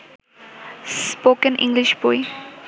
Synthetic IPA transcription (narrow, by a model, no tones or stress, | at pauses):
spokə̃nʔḭ̃ŋɡliʃbɔj